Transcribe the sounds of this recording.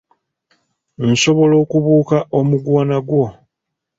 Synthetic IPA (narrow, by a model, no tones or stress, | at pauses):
n̩so̞βo̞lo̞ːkuβuːkaʔo̞muɡwaːnaɡwo̞